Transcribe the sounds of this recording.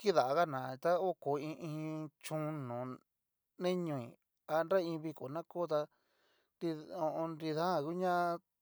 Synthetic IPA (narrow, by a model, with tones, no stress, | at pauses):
ki˦ða˨ʔa˧ɣa˦nã˨˧t̪a˦o˦ko˨ĩ˧ʔĩ˧t͡ʃũ˧˦nõ˨ | nẽ˦ɲũ˧ĩ˨ | a˧nɾa˦ĩ˧βi˧ko˨nã˦koː˦t̪a˧ | di˧õ˧ʔõ˧nɾi˧ðã˦˨ku˦ɲã˦˧